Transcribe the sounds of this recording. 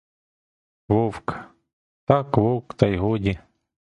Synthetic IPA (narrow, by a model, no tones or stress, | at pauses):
ʋɔwk | t̪ɑkʋɔwkt̪ɐjɦɔdʲi